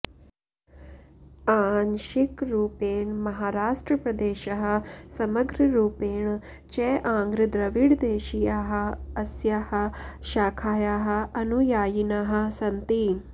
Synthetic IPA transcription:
aːnʃikɾuːpeːɳmɐɦaːɾaːʂʈɾɐpɾɐd̪eːʃɐɦɐ̆sɐməɡɾɐɾuːpeːɳ | t͡ʃeʔãːŋɡɾɨd̪ɾɐʋiɽd̪eːʃijaːɦɐɐsjaːhɐ̆ʃaːkʰaːjaːɦɐ̆ɐnujaːjinaːɦɐ̆sɐnt̪i

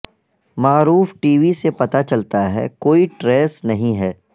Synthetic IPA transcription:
maːɾuːfʈiːʋisepɐt̪at͡ʃɐlt̪aɦɛ̰ːkoːiʈɾeːsnɐɦĩɦɛː

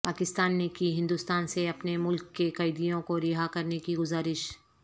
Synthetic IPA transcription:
paːkɪst̪aːnːekiɦɪ̃nd̪uːst̪aːnseɐpnemʊlkːekɐɪd̪ijõkoɾɪɦakɐɾnekiɡʊzaːɾɪʃ

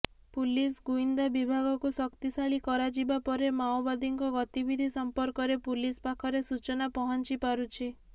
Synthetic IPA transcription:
pulisɡuind̪abibʱaɡɔkusɔkt̪isaɭikɔɾad͡ʒibapɔɾemawbad̪iŋkɔɡɔt̪ibid̪ʱisɔmpɔɾkɔɾepulispakʰɔɾesut͡ʃɔnapɔɦɔnt͡ʃipaɾut͡ʃʰi

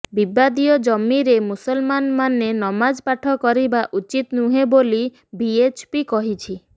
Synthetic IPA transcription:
bibad̪ijɔd͡ʒɔmːiɾemusɔlmanmanenɔmad͡ʒpaʈʰɔkɔɾibaʔut͡ʃit̪nuɦeboli | biet͡ʃpikɔɦit͡ʃʰi

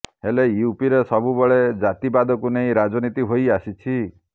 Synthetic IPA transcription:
ɦeleiupiɾesɔbubɔɭed͡ʒat̪ibad̪ɔkuneĩɾad͡ʒɔnit̪iɦojasit͡ʃʰi

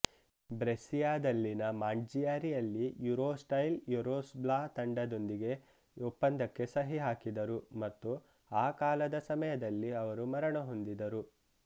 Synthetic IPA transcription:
bɾesijaːd̪ɐlːinɐmaːɳd͡ʒijaːɾijɐlːijuɾoːsʈɐjljuɾoːsblaːt̪ɐɳɖɐd̪o̞nd̪iɡe̞ | upːɐnd̪ɐkːe̞sɐɦiɦaːkid̪ɐɾumɐt̪ːu | aːkaːlɐd̪ɐsɐmɐjɐd̪ɐlːiɐʋɐɾumɐɾɐɳɐɦo̞nd̪id̪ɐɾu

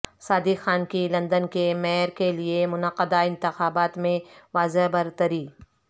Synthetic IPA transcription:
saːd̪ixaːnkilɐ̃nd̪ənkemɛːɾkeliemʊnəqəd̪aɪ̃nt̪ɪxaːbaːt̪mẽʋaːzeɦbɐɾt̪əɾiː

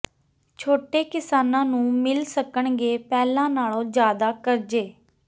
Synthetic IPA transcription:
t͡ʃʰoːʈeːkɪsaːnãːnũːmɪlsəkəɳɡeːpɛːlãːnaːlõːd͡ʒjaːd̪aːkəɾd͡ʒeː

